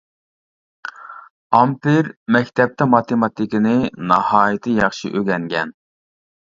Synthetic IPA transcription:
ɑmpɪɾmɛkʲt̪ʰɛp̚t̪ʰɛmɑt̪ʰemɑt̪ʰɪkʲɪnɪnɑhɑːjɪt̪ʰɨjɑχʃḭʔøɡʲɛŋɡʲɛn

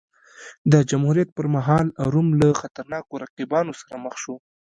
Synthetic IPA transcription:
d̪əd͡ʒamhuɾijat̪̚pəɾmaɦɑlaɾumlaxat̪aɾnɑkoɾaqibɑnosḁɾaməxʃo

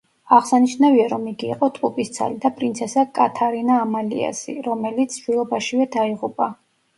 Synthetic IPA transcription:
aʁsaniʃnaviaɾɔmiɡiːqʼɔt̪ʼqʼupʼist̪sʰa̰lid̪apʼɾint̪sʰɛsakʼat̪ʰaɾinaːmalḭa̰sḭɾɔmɛlit̪sʰʃwilˠɔbaʃivɛd̪aiʁupʼa

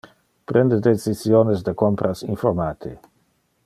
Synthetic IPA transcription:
pɾend̪ed̪et͡sisjonezd̪əkompɾʔasiɱformaːt̪ʰi

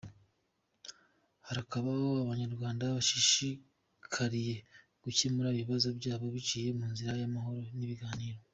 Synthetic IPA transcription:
haɾakaβahoaβaɲaɾɡwaːndaβaʃiʃi | kʰaɾije̞ | ɡ̥ucemuɾaβiβazo̞bɟaːβo̞βicije̞muːnziɾajamaɦo̞ɾo̞niβiɡaːniːɾo̞

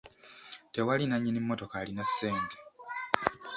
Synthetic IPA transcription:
te̞walinaɲːinimːoto̞kaːlinasːeːnte

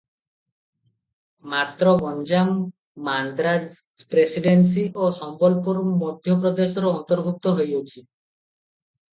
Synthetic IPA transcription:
mat̪ɾɔbɔnd͡ʒamː | and̪ɾad͡ʒ | pɾesiɖens̬iʔosɔmbɔlpuɾmɔd̪ʱjɔpɾɔd̪esɔɾɔɔnt̪ɔɾbʱuk̚t̪ɔɦojot͡ʃʰi

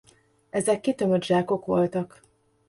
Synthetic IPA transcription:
ɛzɛkːit̪ømød̪ʒaːko̞kʋo̞lt̪ɒk

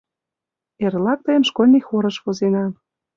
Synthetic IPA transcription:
erlɑk̚t̪əjəmʃkolʲnʲixoɾə̆ʃβozenɑ

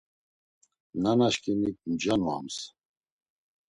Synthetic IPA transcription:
nanaʃkʰʼinik̚md͡ʒanua̰ms

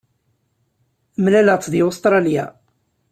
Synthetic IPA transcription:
mlælət͡sːðiost̪ɾˤɑlja̰

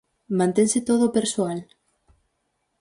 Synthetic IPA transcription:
mãnt̪ẽŋsɪt̪oð̞opeɾsoal

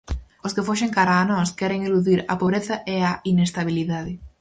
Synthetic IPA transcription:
oskɪfoʃeŋkaɾaːnɔskɛɾeŋeluðiɾɐ̰poβɾeθɐʔeɐinest̪aβ̞iliðaðɪ

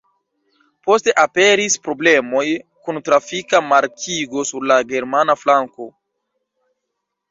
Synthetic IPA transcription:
po̞ste̞ʔape̞ɾispɾo̞ble̞mo̞jkuntɾafikamaɾkʰiɡo̞suɾlaɡe̞ɾmanaflaŋko̞

